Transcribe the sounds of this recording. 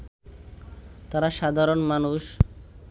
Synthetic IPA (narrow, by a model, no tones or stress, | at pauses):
t̪aɾaʃad̪ʱaɾonmanuʃ